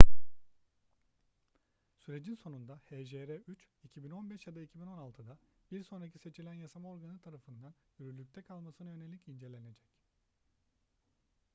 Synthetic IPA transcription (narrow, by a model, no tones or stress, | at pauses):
syɾe̞d͡ʒinso̞nund̪aheʒeɾɛyt͡ʃicʰibino̞nbɛʃjad̪aicʰibino̞nalˠt̪ʰɯd̪abiɾso̞nɾacʰi̥se̞t͡ʃʰilʲænjasamao̞ɾɡanɯt̪ʰaɾafɯnd̪anyɾylʲːyc̚ʲt̪ʰɛkʰalˠmasɯnajø̞nelʲːicind͡ʒe̞lʲe̞ne̞d͡ʒɛc